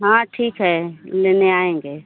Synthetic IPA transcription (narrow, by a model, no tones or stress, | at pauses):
ɦãːʈʰiːkɦɛːleːneaːẽːŋɡeː